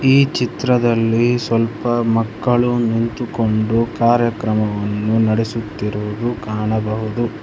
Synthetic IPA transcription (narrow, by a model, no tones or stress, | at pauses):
iːt͡ʃit̪ɾɐd̪ɐlːisʋɐlpɐmɐkːɐɭunint̪uko̞ɳɖukaːɾjɐkɾɐmɐʋɐnːunɐɽesut̪ːiɾuʋud̪ukaːɳɐbɐɦud̪u